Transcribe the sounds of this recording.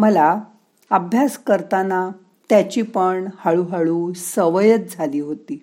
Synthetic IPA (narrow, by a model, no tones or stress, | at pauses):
məla | əbʱjaskəɾt̪ana | t̪jat͡ɕiːpəɳhaɭuɦaɭuːsəʋəjət͡s̚d͡zʱaliːɦot̪iː